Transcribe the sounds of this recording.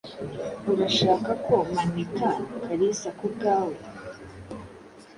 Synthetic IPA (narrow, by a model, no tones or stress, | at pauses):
uɾaʃaːkakʰomanikakʰaɾisakuɡaːwa